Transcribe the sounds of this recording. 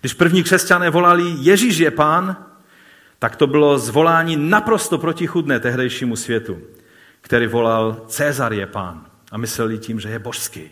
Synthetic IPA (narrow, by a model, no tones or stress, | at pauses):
ɡ̥dɪʃpr̩vɲiːkr̥ɛscanɛːvo̞lalijɛʒiʃjɛpaːn | t̪akt̪obɪlo̞zvo̞laːɲiːnapɾo̞st̪opɾocixud̪nɛːt̪ɛɦdɛjʃiːmusvjɛt̪u | kt̪ɛɾiːvo̞lalt͡sɛːzaɾjɛpa̰ːn | ʔamɪslɛljiciːmʒɛjɛboʃskḭː